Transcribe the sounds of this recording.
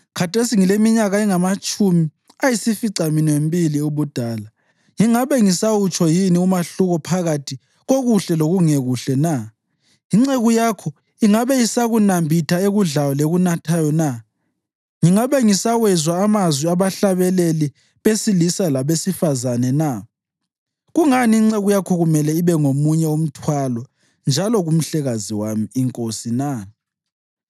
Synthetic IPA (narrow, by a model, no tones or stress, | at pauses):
kʰatʰesiŋilemiɲaɣaiŋamat͡ʃʼumi | ajisifiǀaminwembʱiliuβud̥ʱaːla | ŋiŋaβɛŋisawut͡ʃʰʼɔjiniumaɬuɣɔpʰaɣatʰi | ɣoɣuɬɛloɣuŋeɣuɬɛna | iŋ͡ǀeɣujakʰɔ | iŋaβɛjisaɣunambʱitʰaeɣuɮawɔleɣunatʰajɔna | ŋiŋaβɛŋisawɛzwaːmazwiaβaɬaβɛleli | βesilisalaβesifazanɛna | ɣuŋaniːŋ͡ǀeɣujakʰɔɣumɛlɛiβɛŋomuɲɛom̩tʰwalɔ | nd͡ʒʱalɔɣum̩ɬɛɣaziwamiːŋkʼosina